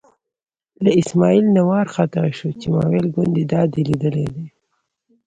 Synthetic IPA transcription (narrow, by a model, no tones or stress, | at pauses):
laɪsmɑilnawɑɾxɑt̪ɪɾeʃot͡ʃemɑ̰welɡʊnd̪ed̪ɑd̪elid̪əlḛd̪e